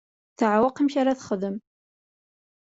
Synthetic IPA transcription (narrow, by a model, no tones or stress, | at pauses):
θəʕawɑqəmçaɾaθχəðəm